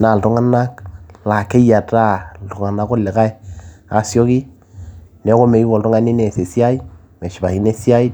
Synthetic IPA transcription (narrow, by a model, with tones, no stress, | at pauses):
na˨ltu˦ŋa˦na˦kla˨ke˦ja˨ta˦ltu˨ŋa˨na˦ko˦lɪ˨ka˦ɛ˦a˨sjɔ˦ki˦ | nɛ˨˦ko˦me˨ɡi˦wo˨ltʊ˦ŋa˦ni˦ne˨se˨si˦a˦i˦ | mɛ˨ʃi˨ba˨hi˨ne˦si˦a˦i˦